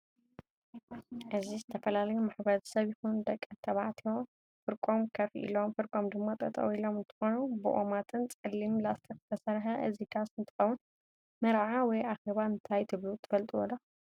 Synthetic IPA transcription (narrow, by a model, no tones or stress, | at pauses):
ʔɨzizɨt̪ʰɐfɐlalɐjumaħbɐɾɐ̥sɐβjixund̪ɐkʼːɨt̪ʰɐβaʕt̪ʰio | fɨɾkʼo̞mkʰɐfʔḭlo̞mfɨɾkʼo̞md̪ɨmːat̪ʼɐt̪ʼɐ̰wilo̞mɨnt̪ʰɨ̥xo̞nubɨʔo̰mat̪ʰɨnt͡sʼɨlːimlast̪ʰikzɨ̥t̪ʰɐsɐɾħɐʔɨzikʰasɨnt̪ʰɨ̥xɐwun | mɐɾʕawɔjaxeβaɨnt̪ʰajt̪ʰɨβlut̪ʰɨfɐlt̪ʼiwɔ̰d̪ɐ